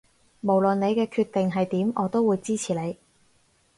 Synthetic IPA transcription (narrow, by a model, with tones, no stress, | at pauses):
mo˨˩wlə˨nle˨˧jkɛː˧kʰyː˧t̪ːɪ˨ŋɦɐ˨jt̪iː˨˥mʔɔː˨˧t̪o˥wːuː˨˧jt͡siː˥t͡sʰiː˨˩le˨˧j